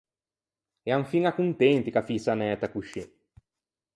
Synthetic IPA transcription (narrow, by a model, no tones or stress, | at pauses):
ɛaɱfiŋakunt̪ɛnt̪ikafisanɛːt̪akuʃi